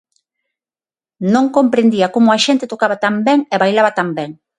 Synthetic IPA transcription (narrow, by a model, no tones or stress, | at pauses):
nõŋkompɾend̪iakomʊaʃent̪et̪okaβat̪ambeŋeβajlaβat̪ambeŋ